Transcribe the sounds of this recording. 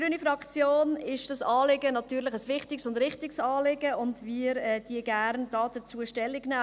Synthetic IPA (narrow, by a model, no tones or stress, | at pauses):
yːnifɾɑkt͡sjoːnɪʃd̥ɑsɑːlɪɡənɑtyːɾlɪχəsʋɪχtɪksʊndɾɪχtɪksɑːlɪɡəʊndviːɾɛːd̥iːəɡ̥æɾndɑːdət͡suəʃtɛlːɪɡnaː